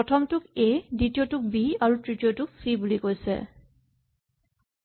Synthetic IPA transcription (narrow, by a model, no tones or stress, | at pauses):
ɔtʰɔmtʊkeditijotʊk̚biaɹutɹitijotʊk̚sibulikojsɛ̰